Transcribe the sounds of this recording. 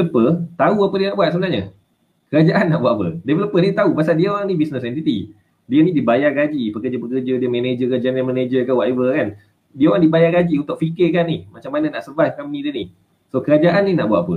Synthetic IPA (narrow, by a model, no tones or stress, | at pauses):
əpət̪auapədiənaʔbuat̪̚səbənaɲa | kəɾad͡ʒaʔanːaʔbuat̪apə̰devələpənit̪aupasaldiəoɾaŋnibisnəsɛnt̪it̪i | diənidibajaɡad͡ʒipəkərd͡ʒəpəkərd͡ʒədiəmened͡ʒəɡəd͡ʒaanjamə̃ned͡ʒəkəwaʔevəkan | diəoɾaŋdibajaɡad͡ʒiunt̪ʊk̚fikɪkanːihmat͡ʃamːananaʔsəbajkamnidiənih | sokəɾad͡ʒaʔanːinaʔbuaʔ̪apə